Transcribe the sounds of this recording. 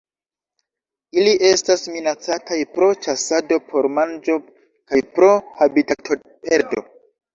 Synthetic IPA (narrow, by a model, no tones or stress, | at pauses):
iliʔe̞stasminat͡satajpɾo̞t͡ʃasado̞pʰo̞ɾmand͡ʒo̞ | kajpɾo̞habitaktʰo | pe̞ɾdo̞̰